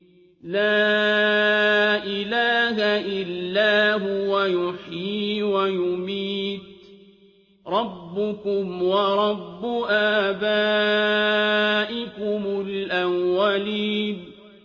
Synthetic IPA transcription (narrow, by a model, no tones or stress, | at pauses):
laː | ʔɪlaːɦaʔɪlːaːɦʊwajʊħjiːwajʊmiːt̪ | ɾˤɑbːʊkʊmwɑɾˤɑbːʊʔaːbaː | ʔɪkʊmʊlʔamwaliːn